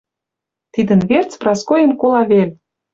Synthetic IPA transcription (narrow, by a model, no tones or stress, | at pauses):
t̪id̪ə̆nβert͡sprɑskojə̆nkolɑβelʲ